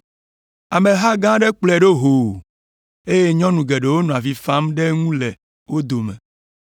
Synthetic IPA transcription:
a˨mẽ˨ɦa˦ɡã˦ɖe˦k͡plɛ˨ɖo˦ɦo˨ | e˦je˦ɲɔ̃˦nũ˨ɡe˨ɖe˨wo˦nɔ̃˨a˨vi˨fa˦mɖe˦ŋũ˦lɛ˨ | wo˦d̪o˨mḛ̃˨

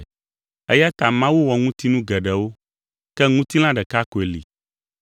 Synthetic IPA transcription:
ɛ˦ja˦t̪a˨mã˦wu˦wɔ˨ŋũ˦t̪i˦nũ˦ɡɛ˨ɖɛ˨wo˦ | kɛ˦ŋũ˦t̪i˦l̃ã˦ɖɛ˨ka˦ko˨e˨lḭ˨

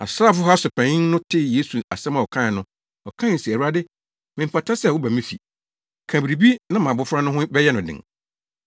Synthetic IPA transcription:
a̰˨sɾaː˦˨fʊ˦ɦa˦sʊ˨pʰɛ̃˨ɲɪ̃˦nnʊ̃˦tʰɪ˦˨je˨˦su˨a˨sɛ̃˦mã˨ɔ˨kʰã˦˨nʊ̃˦ | ɔ˨kʰã˦˨si˨æ˨u˨˦a˦dɪ˦ | mɪ̃˨m˨pʰa˨tʰa˦sɛ˦˨wʊ˦bæ˨mĩ˦fi˨ | kʰã˨bɾi˨bi˦nã˦mã˨bʊ˨˦fɾa˦nʊ̃˦ɦʊ̃˦bɛ˦jɛ˦nʊ̃˨dɪ̰̃˨ŋ

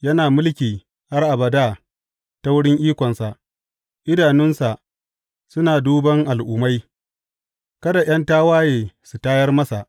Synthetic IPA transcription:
jɐ˦naː˨mʊ˦lkʲiː˨ | ha˦rʔa˨bɐ˨daː˦ | ta˦wʊ˦ɽɪ˦ŋʔiː˦kʷɔ˨nsa˨ʔ | ʔɪ˦daː˨nɪ˦nsa˨ʔ | sʊ˦naː˨duː˦bɐ˦ŋʔa˨lʔʊ˨ma˦j | kɐ˦da˨j̰ɐ˦ntaː˦waː˦jeː˨su˨taː˦jɐ˦rmɐ˦sa˨ʔ

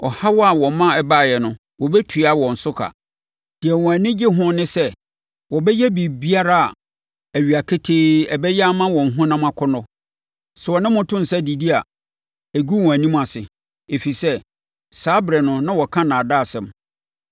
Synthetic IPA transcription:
ɔ˨ha˦wɔ˦a˨wɔ̃˨˦mã˦ɛ˦˨ba˦˨jɛ˨nʊ̃˨ | wɔ˨bɛ˦tʰu˨˦˨a˨wɔ̃˨n̩˨sʊ˦kʰa̰˨ | d̥ɪ˨ɛ˨wɔ̃˨æ˨nĩ˦d͡ʑɪ˦ɦʊ̃˦nɪ̃˦sɛ˦ | wɔ˨bɛ˦jɛ˦bi˨bi˦a˦ɾa˦a˨ | æ˨ɥi˨a˨kʰe˦tʰe˦ɛ˨bɛ˦jɛ˦a˦mã˦wɔ̃˨ŋ̩˨ɦʊ̃˦nã˦mã˦kʰɔ˦nɔ̃˦ | sɛ˨ɔ˨nɪ̃˦mʊ̃˦tʰʊ̃˦n̩˨sɛ˦di˨di˦a˨ | æ˨ɡu˦wɔ̃˨æ˨nĩ˦m˨a˨sɪ̰˨ | e˨fi˨sɛ˦ | saː˦bɾɛ˨nʊ̃˨nã˦wɔ˨kʰã˦nã˨daː˦˨sɛ̃˨m

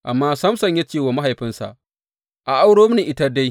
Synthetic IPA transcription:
ʔa˨mːaː˦sɐ˦msɐ˨ɲja˦t͡ʃeː˦˨waː˨ma˦ɦa˨jɸɪ˦nsa̰˨ʔ | ʔa˨ʔa˦wɽoː˦m˦ni˨ʔɪ˦ta˦da˦j

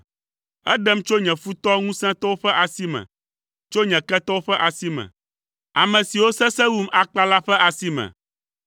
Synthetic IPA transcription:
ɛ̰˦ɖɛ˦mt͡ʃo˦ɲɛ̃˨fu˦t̪ɔ˦ŋũ˦sɛ̃˦t̪ɔ˦wo˦ɸɛ˦ʔa˨si˦mɛ̰̃˨ | t͡ʃo˦ɲɛ̃˨kɛ˦t̪ɔ˦wo˦ɸɛ˦ʔa˨si˦mɛ̰̃˨ | a˨mɛ̃˨si˨wo˦sɛ̃˦sɛ˦wu˦ma˨k͡pa˦la˦ɸɛ˦ʔa˨si˦mɛ̰̃˨

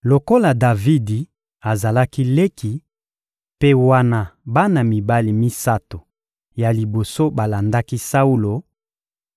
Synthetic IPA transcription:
lo˨ko˦la˨da˨vi˦di˨ | a˨za˨la˦ki˦le˦ki˨ | pe˦wa˦na˨ba˦na˨mi˨ba˦li˨mi˦sa˦to˨ | ja˨li˨bo˨so˦ba˨la˨nda˦ki˦sa˦u˦lo˨

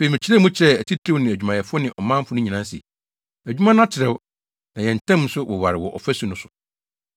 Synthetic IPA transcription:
fe˨mɪ̃˨t͡ɕʰɪ˦ɾɛ˦mũ˦t͡ɕʰɾɛ˦æ˨tʰi˦tʰɾi˦ʊ˦nɪ̃˨æ˨d͡ʑᶣu˨mã˨jɛ˨fʊ˦ɔ˦nɪ̃˨ʔɔ˨mã˦m˦fʊ˨˦nʊ̃˦ɲĩ˨nã˦nsḭ˨ | æ˨d͡ʑᶣu˦mã˦nʊ̃˦a˦tʰɪ˨ɾɛ˦wʊ˦ | nã˨jɛ̃˨n̩˨tʰɛ̃˦m˦sʊ˦wɔ˨wa˨ɾɪ˨wɔ˨ʔɔ̰˨fæ˦su˨˦nʊ̃˦sʊ˨

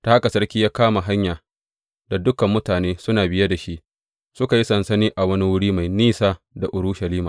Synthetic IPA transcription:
ta˦ha˦ka˨sɐ˦rkʲiː˦jaː˦kaː˦ma˨ɦa˦ɲjaː˨ | da˨dʊ˦kɐ˨mːʊ˦taː˨neː˦sʊ˦naː˨bɪ˦ja˦da˨ʃi˦ʔ | sʊ˦ka˨ji˦sɐ˨nsɐ˦niː˦ʔa˨wɐ˦ni˦wʊ˦ɽiː˦ma˨jniː˦saː˦ | da˨ʔʊ˨ɽʊ˦ʃɐ˨liː˦maː˨

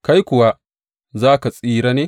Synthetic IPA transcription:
ka˦jkʷʊ˨wa˦ | zaː˦ka˨sʼiː˦ɾa˦neː˦

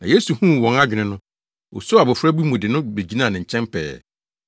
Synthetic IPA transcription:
nã̰˨je˦su˨hũ˦˨wɔ̃˨ŋa˦d͡ʑᶣnɪ̃˨nʊ̃˦ | o̰˨so˦a˨bʊ˨fɾa˦bi˦mũ˨dɪ˨nʊ̃˦be˨d͡ʑi˦nãː˦˨nɪ̃˨ɲ̩˨t͡ɕʰɛ̃˦mpʰɛ̰ː˨

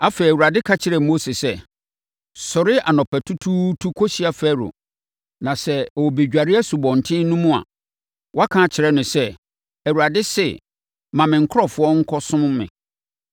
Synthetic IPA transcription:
a˦fe˨æ˨wu˨ɾa˨dɪ˦kʰa˦t͡ɕʰɪ˦ɾɛ˨mo˦se˨sɛ˦ | sʊ˨ɾɪ˦a˨nɔ̃˨pʰɛ˨tʰu˦tʰu˦tʰu˦kʰɔ˦ɕi˦a˨fɛː˦ɾʊ̰˨ | nã˨sɛ˦ɔ˨wbe˨d͡ʑᶣa˨ɾɪ˦ɛ˦su˨bɔ̃˨n̩˨tʰɪ̃˦nũ˦mũ˦a̰˨ | wɔ˦a˦kʰã˦t͡ɕʰɪ˨ɾɛ˦nʊ̃˨sɛ˦ | æ˨wu˨ɾa˨dɪ˦sɛ̰˦˨ | mã˨mɪ̃˨ŋ̩˨kʰʊ˦ɔ˨fʊ˦ɔ˦ŋ̩˦kʰɔ˦sʊ̃˦m˦mɪ̰̃˨

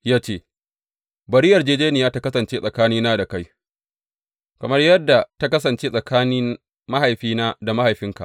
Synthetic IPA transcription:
jaː˦t͡ʃeː˦˨ | bɐ˨ɾi˦jɐ˨rd͡ʒeː˦d͡ʒeː˦nɪ˨jaː˦ta˦kɐ˦sɐ˨nt͡ʃeː˦sʼɐ˨kaː˦niː˦naː˦da˨ka˦j | kɐ˨mɐ˦rjɐ˦dːa˨ta˦kɐ˦s̬ɐ˨nt͡ʃeː˦sʼɐ˨kʰaː˦nɪ˦ | ma˦ha˨jɸiː˦naː˦da˨ma˦ha˨jɸɪ˦ŋka̰˨ʔ

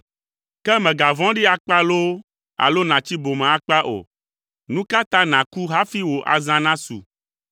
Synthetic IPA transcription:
kɛ˦mɛ̃˨ɡa˨vɔ̃˦ɖi˦a˨k͡pa˦lo˦ | a̰˨lo˦nã˨t͡ɕi˦bo˨mẽ˨a˨k͡pa˦ʔo̰˨ | nũ˦ka˦t̪ã˦nã˨ku˦ɦa˦fi˦wo˨ʔa̰˨zã˦nã˦sṵ˨

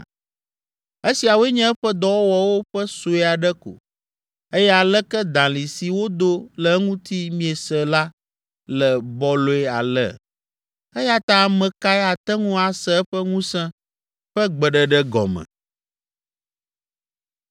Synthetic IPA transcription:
e˦si˨a˨wo˦ɛ˦ɲɛ̃˦ɛ˦ɸɛ˦d̪ɔ˦wɔ˦wɔ˨wo˦ɸə˦so˨˦ɛ˦a˨ɖɛ˦ko̰˨ | e˦jɛ˦a˨lɛ˦kɛ˦d̪ã˨li˨si˨wo˦d̪o˦lɛ˨˦ŋũ˦t̪i˦mĩ˦e˨sɛ˨la˦ | lɛ˨bɔ˦lo˨ɛ˦a̰˨lɛ̰˦˨ | ɛ˦ja˦t̪ã˦˨mɛ̃˨ka˦ɛ˦a˨t̪ɛ˦ŋũ˦a˨sɛ˦ɛ˦ɸə˦ŋũ˦sɛ̃˦ | ɸɛ˦ɡ͡bɛ˨ɖɛ˨ɖɛ˦ɡɔ̰˨mɛ̰̃˨

